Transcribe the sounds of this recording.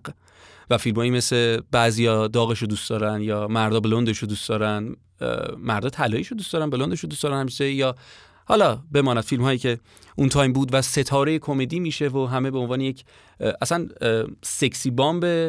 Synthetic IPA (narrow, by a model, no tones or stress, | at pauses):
væfilmɒːjiːme̞sle̞bæzijɒd̪ɒːɣeʃod̪uːsd̪ɒːɾænjɒːmæɾd̪ɒːbelond̪e̞ʃod̪uːsd̪ɒːɾænd | mæɾd̪ɒːt̪ʰælɒːiʃod̪ustd̪ɒːɾænbelond̪e̞ʃod̪usd̪ɒːɾænhæmiʃejɒː | hɒlɒːbe̞mɒːnæd̪̥filmhɒːjiːce̞ | ʔunt̪ʰɒːjmbuːd̪væse̞t̪ʰɒːɾeje̞kʰo̞me̞d̪iːmiːʃe̞voɦæme̞beonvɒːnejecʰ | ʔæsænsekʰsiːbɒːmbe